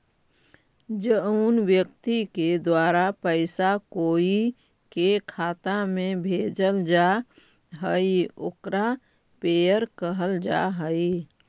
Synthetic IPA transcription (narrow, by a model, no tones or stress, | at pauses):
d͡ʒəuːnwjək̚t̪iked̪waːɾapəɪsakoːi | kekʰaːt̪amẽbʱeːd͡ʒəld͡ʒa | ɦəioːkɾa | pejəɾkəɦəld͡ʒa̰ɦəi